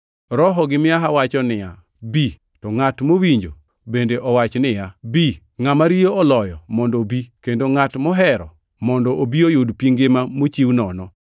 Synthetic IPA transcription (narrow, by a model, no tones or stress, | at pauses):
ɾɔɦɔɡɪmɪaɦawat͡ʃɔnɪja | bi | tɔŋatmowiɲd͡ʒo | bendeʔɔwat͡ʃnɪjabi | ŋamaɾijoɔlɔjɔmɔndobikendoŋatmɔɦɛɾɔ̰ | mɔndɔʔobiojodpiŋɡemamot͡ʃiwnɔnɔ